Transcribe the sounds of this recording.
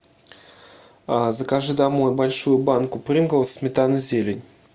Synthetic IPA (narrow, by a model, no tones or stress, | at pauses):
azəkaʐɨd̪amo̞jbalʲʂujʊbankʊpɾʲɨmɡəlˠsʲmʲɪt̪anɨzʲelʲɪnʲ